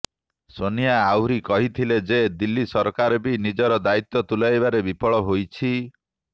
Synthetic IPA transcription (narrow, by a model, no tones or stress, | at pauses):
sonijaːwɾikɔɦit̪ʰiled͡ʒed̪ilːisɔɾɔkaɾɔbinid͡ʒɔɾɔd̪ait̪ːɔt̪ulajbaɾebipɔɭɔɦojt͡ʃʰi